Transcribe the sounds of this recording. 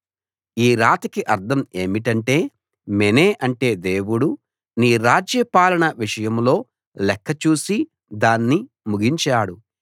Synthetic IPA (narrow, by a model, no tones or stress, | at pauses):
iːɾaːt̪ɐkiʔɐɾd̪ʰʱɐme̞ːmiʈ̬ɐɳʈe̞ː | meneːʔɐɳʈe̞ːd̪e̞ːwuɽu | niːɾaːd͡ʒjɐpaːlɐɳɐʋiʂɐjɐmlo̞ː | lɛkʰːɐt͡ʃuːsi | d̪aːnːi | muɡiɲt͡ʃaːɽu